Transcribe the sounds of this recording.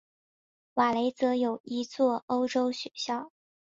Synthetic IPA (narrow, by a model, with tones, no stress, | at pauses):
wa˨˩le˧˥ɪt͡sɤ˧˥jo˨˩ʊi˧˥t͡swɔ˥˩o˥ʊʈ͡ʂo˥ʊɕɥɛ˨˧˩ɕjɑ˥˩ʊ